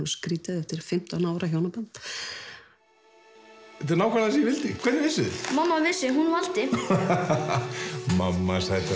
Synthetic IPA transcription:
skɾiːt̪aðɛft̪ɪɾ̥fɪm̥t̪anaːwɾaçjoːwnapant̪ | ɛt̪ɪɾnaːwkʰaɾðas̬ijɛvɪlt̪ɪkʰvɛɾt̪nvɪsʏmamːavɪsɪɦunval̥t̪ɪ | mamːasajt̪a

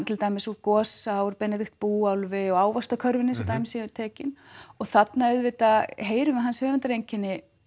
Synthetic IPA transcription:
nt̪ʰɪlt̪aːjmɪsɔkɔːsaɔɾpɛnːɛt̪ɪxt̪̚puːawlvɪɔɣaːwvast̪akʰœɾvɪnːɪs̬ɛt̪aːjmɪsit̪ʰɛːcɪnɔɣθat̪naœðvɪt̪aɦeːjɾʏmɪɦanːsœːvɛnt̪aɾejɲcɪnːɪ

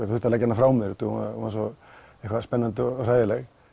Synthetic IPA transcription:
θʏht̪alacːɛnafɾaːwmɛɾt̪ʰuhumaumasɔ | ehkvaspɛnːant̪ɪɔraːjðɪlɛɣ

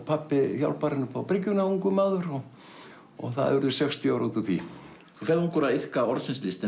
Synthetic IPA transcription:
pʰapːɪfja̰wlpaɾɪnːʏpʰawpɾɪcːʏnauŋkʏmaːðʏɾɔ | ɔ̰ɣθa̰ðʏɾðʏsɛkst̪iawɾut̪ɪθi | θufɛluŋkɔɾaðɪhkaɔɾðsɪnslɪst̪ɪ

